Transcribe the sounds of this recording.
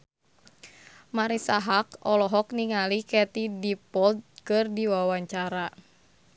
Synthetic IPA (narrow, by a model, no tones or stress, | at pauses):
maɾisaɦakɔlɔɦɔkniŋalikɛt̪idipɔld̪̚kɨrdiwawaɲt͡ʃaɾa